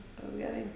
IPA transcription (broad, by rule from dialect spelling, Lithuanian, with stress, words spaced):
ˈʋʲɪskɐs ɡʲɛˈrɐɪ